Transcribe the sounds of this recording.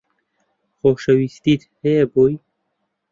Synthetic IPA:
xoʃəwist̪it̪heboj

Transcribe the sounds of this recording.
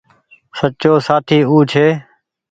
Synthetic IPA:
sət͡ʃoːsaːt̪ʰiːuːt͡ʃʰeː

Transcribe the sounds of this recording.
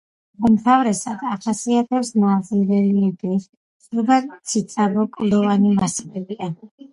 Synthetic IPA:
mɔmt̪ʰavɾɛsad̪aχasiat̪ʰɛpsnaːziɾɛliɛbi | sud̪at̪sʰit̪sʼabɔkʼlɔvanimaslɛbia

